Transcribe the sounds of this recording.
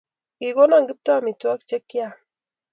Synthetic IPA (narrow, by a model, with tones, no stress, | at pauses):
ki˨ɡo˦na˦˨ŋɡi˦p̚ta˦˨mi˨twa˦kt͡ʃe˦kːja˦˨